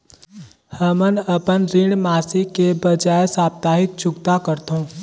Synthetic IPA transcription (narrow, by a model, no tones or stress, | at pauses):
həmənəpənɾɪɽmaːsikebəd͡ʒaːesaːp̚t̪aːɦɪt̪̚t͡ʃʰʊkt̪akəɾt̪ɦõː